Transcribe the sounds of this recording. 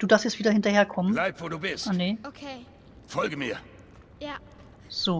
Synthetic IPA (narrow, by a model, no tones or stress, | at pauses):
d̥uːdaɐfstjɛt͡sviːdɐhɪntɐheːɐkʰɔmənlaɪb̥voɾuːb̥ɪsʔaneoe | fɔlɡəmiɐ | z̥oː